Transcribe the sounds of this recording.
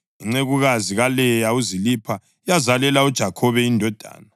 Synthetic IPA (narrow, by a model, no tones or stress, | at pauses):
ɛŋ͡ǀeɣuɣaziɣalɛjauzilipʰa | ijazalɛlaud̥ʒ̥ʱakʰɔβɛindʱɔd̥ʱa̰ːna